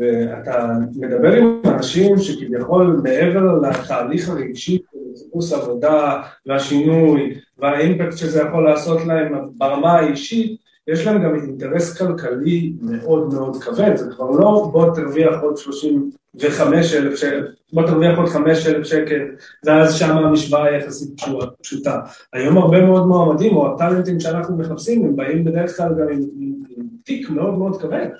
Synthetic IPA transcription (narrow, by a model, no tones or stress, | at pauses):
vea̰tame̞d̪abe̞ʁimanaʃimʃekivjaχo̞lme̞ʔeve̞ʁlat̪aːliχaʁeɡʃiʃelχusavo̞daveaʃinujveaimpaktʃezejaχo̞lːaːso̞tlae̞mabaʁamaːiʃit | jeʃlaemɡaminteʁe̞skalkalime̞ʔo̞dmeo̞dkave̞tzekvaʁlo̞bo̞taʁviaχo̞d̪ʃlo̞ʃim | veχame̞ʃelefʃee | bo̞t̪aʁviaχo̞dχame̞ʃelefʃeke̞l | veazʃamamiʃvaajaχasit̚pʃuapʃuta | ajo̞maʁbe̞meo̞dmoamadimo̞atalent̪imʃeanaχnume̞χapsimembaimbe̞d̪e̞eχklalɡamimimimtikme̞o̞dme̞o̞dkaven